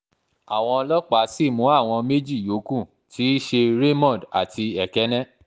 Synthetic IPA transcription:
a˨w̃ɔ̃˧lɔ˦k͡pa˨˦si˦˨mũ˨˦a˦˨w̃ɔ̃˧me˦d͡ʒi˦˨jo˨˦kũ˦˨ | tʰi˨˦ʃe˧ɾe˦mɔ̃˦˨da̰˨ti˧ɛ˨kɛ˦nɛ̃˦

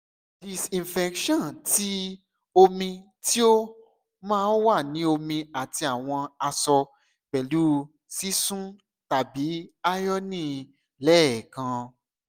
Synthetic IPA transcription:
di˨sĩ˨n˨fɛ˧kʃɔ̃˦˨nti˨˦ | o˧mĩ˧ | ti˦o˦ | mãː˦˨˦n˦wa˦˨nĩ˨˦o˧mĩ˧a˨ti˧a˨w̃ɔ̃˧a˧sɔ˧ | k͡pɛ˨lu˨˦ | si˦sũ˦ | ta˨bi˨˦a˦jɔ˦nĩ˦˨ | lɛː˦˨kã˧

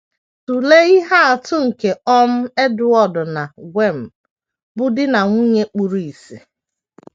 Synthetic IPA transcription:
tu˨le˦i˦ɦa˦a˨tʊ˦ŋ̩˨ke˨ɔ˦m̩˦e˦dʊ˨ɔ˦dʊ˨na˨ɡʷe˦˨m̩˨ | bʊ˦dɪ˦na˨ŋʷu˦ɲe˦k͡pu˨ɾu˨i˨si˨

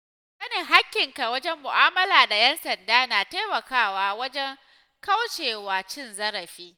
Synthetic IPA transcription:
kɐ˦ni˨ɦa˦kʲːɪ˨ŋka˨wɐ˦d͡ʒɛ˦mːʊ˨ʔaː˦mɐ˦laː˨da˨jɛ˦nsɐ˨ndaː˦naː˨teː˦mɐ˨kaː˦waː˦wɐ˦d͡ʒɛ˦ŋ | ka˦wt͡ʃeː˨waː˨t͡ʃɪ˦nzɐ˦ɾɐ˨ɸiː˦

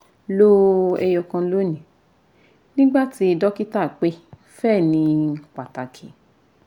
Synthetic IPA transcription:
lo˦ɛ˧jɔ˧kã˧˦lo˦nĩ˨ | nĩ˦ɡ͡ba˦˨ti˧˦i˧dɔ˦ki˦ta˦˨k͡pe˦ | fɛ˦˨nĩ˧˨k͡pa˨ta˨kʰḭ˨˦

